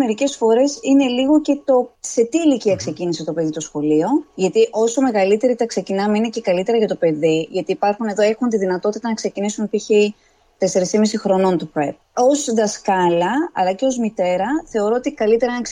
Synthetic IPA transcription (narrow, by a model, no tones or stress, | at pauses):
me̞ɾice̞sfo̞ɾe̞sine̞liɣo̞ce̞t̪o̞se̞t̪iːliciɐkse̞cinisit̪o̞pe̞ðit̪o̞sxo̞lio̞ʝɐt̪iʔo̞so̞me̞ɣɐlit̪e̞ɾit̪ɐkse̞cinɐmeine̞ce̞kɐlit̪e̞ɾɐʝɐt̪o̞pe̞ðiʝɐt̪iːpɐɾxune̞ðoe̞xunt̪iðinɐt̪o̞t̪it̪ɐnɐkse̞cinisunipiçe | t̪e̞se̞ɾisimisixɾo̞no̞nt̪upɾep̚ | o̞zðɐskɐlɐɐ̰lɐce̞o̞zmit̪e̞ɾɐθe̞o̞ɾo̞ot̪ikɐlit̪e̞ɾɐnk